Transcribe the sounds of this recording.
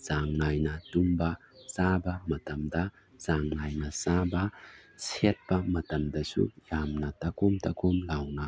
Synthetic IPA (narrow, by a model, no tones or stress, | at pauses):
zaŋnajnɐtumbɐ | sabɐmɐtɐmdɐ | zaŋnajnɐsabɐset̚pɐmɐtɐmdɐsṵjamnɐtɐkomtɐkomlawnɐ